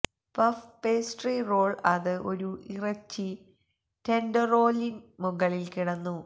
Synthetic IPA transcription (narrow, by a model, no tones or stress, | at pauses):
pɐfpeːsʈriːro̞ːɭɐðɨʔo̞ɾuirɐt͡ɕːɨ | tendɐro̞ːlinmuɣɐɭilkiɽɐnːu